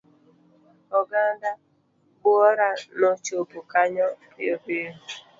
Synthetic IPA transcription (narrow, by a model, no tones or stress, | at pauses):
ɔɡada | bʊɔɾanot͡ʃopʊkaɲɔ | ebiɦu